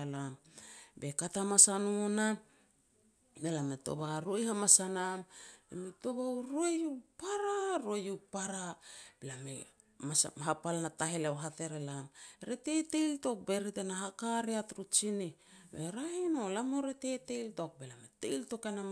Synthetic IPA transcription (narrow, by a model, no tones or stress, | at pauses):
lambe̞katamasanuna | belameto̞̰βaɾoejhamasanamemeto̞βawɾuejupaɾaɾoejupaɾab̥elame | masɦapalnataɦeleoɦate̞ɾelamɾetetejlto̞k̚be̞ɾitenaɦakaɾeatɾut͡ʃini | beɾahino̞lamoɾete̞teltok̚belametḛjlto̞kenam